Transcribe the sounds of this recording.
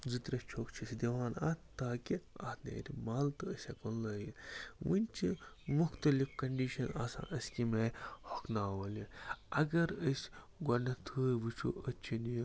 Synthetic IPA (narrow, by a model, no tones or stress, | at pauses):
zɨt̪ɾɐst͡ʃʰoːkt͡ʃʰisʲd̪iʋaːna̰t̪aːkiɐ̰t̪nḛːɾimaːlt̪ɨəsʲɐkɐnlɐːjiʋɨnʲt͡ʃʰi | muxt̪ɐlifkɐɳɖiːʃɐnaːsã̰ːʔəsʲkimeːhokʰnaːwɐliɐɡɐɾəsʲ | ɡɐnɐt̪ʰɨːjʋɨt͡ʃʰṵʔət͡ʃʰinij